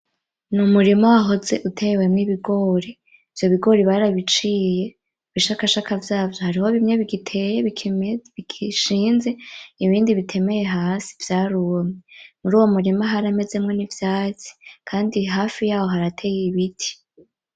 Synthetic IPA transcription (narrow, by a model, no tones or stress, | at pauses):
numuɾimawaɦo̞ze̞ʔutʰe̞ːwe̞mŋiβiɡo̞ːɾiː | v̥jo̞βiɡo̞ːɾiβaɾaβit͡ʃiːje̞ | βiʃakaʃakavjaːvjo̞haɾiho̞βimɲe̞βiɡitʰejeiiiʃiːnzeiβiːndiβitʰe̞me̞je̞ɦaːsi̥vjaːɾuomemuɾuːwo̞muɾimaɦaɾame̞ze̞mŋo̞nivjaːt͡si̥kʰaːndiɦaːfijaːho̞ɦaɾatʰe̞ːjeiβitʰi̥